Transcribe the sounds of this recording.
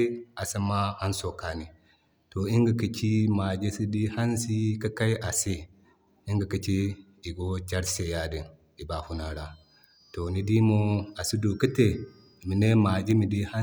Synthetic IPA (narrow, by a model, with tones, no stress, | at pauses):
a˨sa˦ma˦ha˦nso˨ka˨ni˨ | to˨i˦ŋɡa˨ki˦t͡ʃi˦ma˨d͡ʒe˦si˦di˦ha˦nsi˦ka˦ka˦jʔa˨si˦ | i˦ŋɡa˨ki˦t͡ʃi˦ | i˨ɡo˦t͡ʃa˦ɾse˨ja˦di˨n | i˨ba˨hu˦na˨ɾa˨ | to˨ni˦di˦mo˦a˨si˦du˨ki˦te˨ | mi˨ne˦ma˨d͡ʒi˦mi˨di˦ha˦